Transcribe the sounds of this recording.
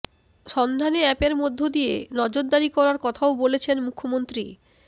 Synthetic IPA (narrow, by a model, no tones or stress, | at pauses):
ʃɔnd̪ʱaneɛpeɾmod̪ʱːod̪ijḛnɔd͡ʑoɾd̪aɾikɔɾaɾkɔt̪ʰaobolet͡ɕʰenmukʰːomont̪ɾi